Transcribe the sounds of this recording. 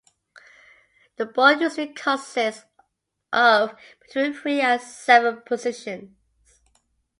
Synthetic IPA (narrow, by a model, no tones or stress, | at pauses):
ðəbɔjʉsɹikʰɔsɪs | ʔəvb̥ɪtʰw̥ĩːnθɹiə̃nsɛvəpʰəzɪʃə̃n | z̥